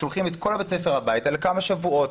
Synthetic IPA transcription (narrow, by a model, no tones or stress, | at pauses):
olχimet̪ko̞lhabet͡sefeʁhabajitalekamaʃavuo̞t